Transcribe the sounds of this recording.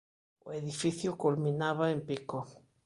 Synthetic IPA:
o̰eðifiθjʊkulmĩnaβaempiko

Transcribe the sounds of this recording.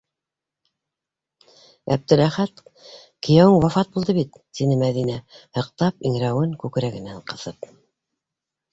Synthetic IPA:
æ̰b̚t̪ɘ̆ɾæχæt̪ | kɘ̆jæwɘŋwɑfɑt̪̚bulˠd̪ɤβit̪ːinɘmæðinæhɤ̆qt̪ɑpiŋɾæwɘŋkʉkɘ̆ɾæɡɘ̆næɴqɤ̆θɤp

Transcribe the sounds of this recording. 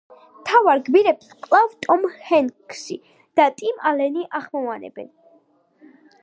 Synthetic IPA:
mt̪ʰavaɾɡbiɾɛpskʼlˠavt̪ʼɔmhɛŋkʰʃi | d̪̥at̪ʼimalɛniʔaχmɔvanɛ̰bɛ̰n

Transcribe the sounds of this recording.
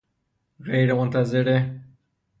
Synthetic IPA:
ɣejɾemʊnt̪azɪɾe

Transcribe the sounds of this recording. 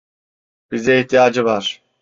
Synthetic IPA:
b̥izd̪ɛiht̪ʰijaːd͡ʒɯvaɾ̥

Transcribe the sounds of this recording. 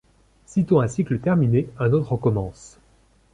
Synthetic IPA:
sit̪oɛ̃siklət̪ɛʁmineɛ̃not̪χəkɔmɑ̃s

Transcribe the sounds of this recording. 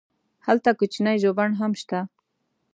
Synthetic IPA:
halt̪akʊt͡ʃnajʒobanɦamʃt̪a

